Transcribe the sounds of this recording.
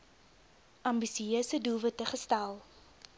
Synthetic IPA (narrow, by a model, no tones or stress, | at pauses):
ʔɐmbisiøːsədulˠvətəχəstælˠ